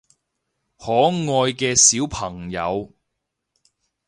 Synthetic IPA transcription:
hɔː˨˥ŋɔː˧jkɛː˧siː˨˥wpʰɐ˨˩ŋjɐ̰˨˧w

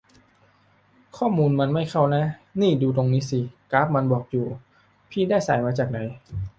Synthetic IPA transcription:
kʰɔː˥˩muː˧nma˧nma˥˩jkʰa˥˩wna˦˥niː˥˩duː˧t̪̬o˧ŋniː˦˥si˧kaː˦˥p̚ma˧nbɔː˨˩k̚juː˨˩ | pʰiː˥˩daː˥˩jsa̰ː˩˦jmaː˧t͡ɕaː˨˩k̚na˨˩˦j

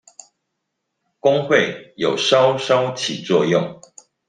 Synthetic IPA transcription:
kʊ˥ŋxwe˥˨ɪjo˨˩ʊʂɑ˦ʊʂɑ˦ʊt͡ɕʰi˨˩t͡swɔ˥˧jʊ˥˨ŋ

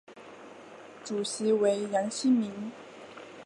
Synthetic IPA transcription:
ʈ͡ʂu˨˩ɕi˧˥we˧˥ɪja˧˥ŋɕi˥mi˧˥n

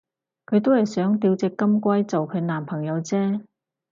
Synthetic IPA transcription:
kʰɵ˨˧ɥt̪o˥whɐ˨jsœː˨˥ŋt̪iː˧wt͡sɪ˨kːɐ˥mkʷɐ˥jt͡so˨wkʰɵ˨˧naː˨˩mpʰɐ˨˩ŋjɐ˨˧wt͡sɛː˥

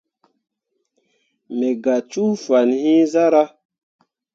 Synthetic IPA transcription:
me˨ɡa˨t͡ʃu˦fa˨nhĩ˦za˦ɾa˦

